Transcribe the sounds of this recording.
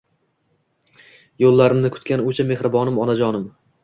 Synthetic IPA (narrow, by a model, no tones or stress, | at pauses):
jolːaɾɪnnɪkʰʊ̥t̪kʲanʊt͡ʃʰame̞hɾɪbɒnɪmɒnad͡ʒɒnɪm